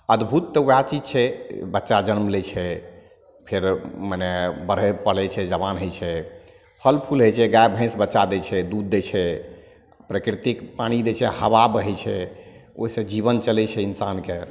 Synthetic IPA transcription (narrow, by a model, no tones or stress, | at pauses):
əd̪bʱut̪ːəuat͡ʃid͡ʒt͡ʃʰɛbətːʃad͡ʒənmlet͡ʃʰɛ | pʰeɾmənɛbəɾ̤ɛpəlɛt͡ʃʰɛd͡ʒəβanɦojt͡ʃʰɛ | pʰəlpʰulɦojt͡ʃʰɛɡaebʱə̃ɪ̃sbətːʃad̪ɛt͡ʃʰɛd̪ud̪ːet͡ʃʰɛ | pɾəkɾit̪ikpaɽ̃id̪et͡ʃʰɛhəβabɦɛjt͡ʃʰɛo̰isẽd͡ʒiβənt͡ʃəlɛt͡ʃʰɛinsanke